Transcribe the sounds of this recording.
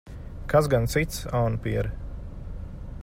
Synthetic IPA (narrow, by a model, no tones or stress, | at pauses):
kaszɡant̪sit̪sawnpiɛɾ